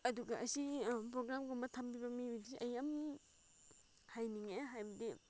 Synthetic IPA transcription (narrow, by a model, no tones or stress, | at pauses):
ɐduɡɐʔɐsipɾoɡɾamɡombɐtʰambibɐmiudisʔɐjam | hajniŋaɦajbɐdi